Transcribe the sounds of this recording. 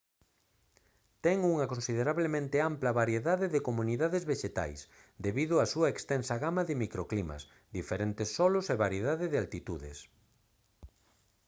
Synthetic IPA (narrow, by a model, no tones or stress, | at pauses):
t̪ɛŋuŋɐkõnsiðeɾaβlemẽnt̪ɪamplɐβaɾjeðaðɪðɪkomũniðaðezβeʃet̪a̰js | d̪eβiðʊasuɐekst̪ɛnsɐɣamɐðɪmikɾoklimɐ̰s | d̪ifeɾent̪ɪsːɔlʊseβaɾjeð̞aðɪðɪalt̪it̪uðɪ̰s